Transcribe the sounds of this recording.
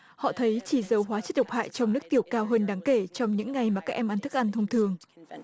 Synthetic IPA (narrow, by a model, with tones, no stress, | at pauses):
hɔ̰˧˨t̪ʰə˨˦jt͡ɕi˧˩zə˨˩wɦwaː˨˦t͡ɕə˦˥t̚ɗə˨˩wk͡p̚ha̰ː˧˨jt͡ɕɔ˧wŋ͡mnɨ˦˥ək̚t̪i˧˩əwkaː˧wɦəː˧nɗaː˨˦ŋke˧˩t͡ɕɔ˧wŋ͡mɲɨ̰˧˥ŋːa˨˩jmaː˨˩kaː˦˥k̚ʔɛ˧mʔa˧nt̪ʰɨ˦˥k̚ʔa˧nt̪ʰə˧wŋ͡mt̪ʰɨ˧əŋ